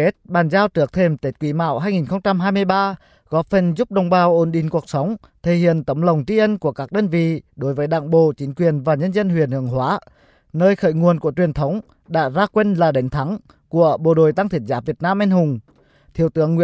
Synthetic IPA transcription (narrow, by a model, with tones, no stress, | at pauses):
e˦˥t̚ɓaː˨˩nzaː˧wt͡ɕɨ˨˦ək̚t̪ʰe˧˩mt̪e˦˥t̚kwi˨˦ma̰ː˧˨wɦaː˧jŋi˨˩nxə˧wŋ͡mt͡ɕa˧mɦaː˧jmɨ˧əjɓaː˧ | ɣɔ˨˦˥p̚fə˨˩nzu˦˥p̚ɗə˧wŋ͡mɓaː˨˩wʔo˧˩nɗḭ˧˨˦ŋ̟ku˨˩ək̚sə˨˦wŋ͡m | t̪ʰe˨˩hḭ˧˨ənt̪ə˨˦ŋ͡mlə˨˩wŋ͡mt͡ɕi˧˥ʔə˧nku˧˩əkaː˦˥k̚ɗəː˧nvḭ˧˨ɗo˨˦jvəː˨˦jɗa̰ː˧˨ŋɓo̰˧˨t͡ɕi˨˦ŋ̟kwi˨˩ənvaː˨˩ɲə˧nzə˧nhwi˨˩ənhɨ˨˧˩əŋhɦwaː˨˦ | nəː˧jxə̰ː˧˨jŋu˨˩ənku˧˩ət͡ɕwi˨˩ənt̪ʰə˨˦wŋ͡m | ɗa̰ː˧˥zaː˧kwe˧nlaː˨˩ɗə˨˦ŋ̟t̪ʰa˨˦ŋ | ku˧˩əɓo̰˧˨˩ɗo˨˩jt̪a˧ŋt̪ʰi˨˩t̚zaː˨˦vi˨˩ət̚naː˧mʔɛ˧nhʊ˨˩ŋ͡m | t̪ʰḭ˧˨əwt̪ɨ̰˨˧˥əŋːwḭ˧˨